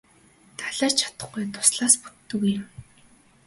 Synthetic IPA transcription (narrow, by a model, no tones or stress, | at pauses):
t̪ʰaɮaːrt͡ɕʰḁt̪ə̥̆χɡujt̪ʰʊ̥sɮaːspu̥t̪ːɵ̆ɣujɪ̆m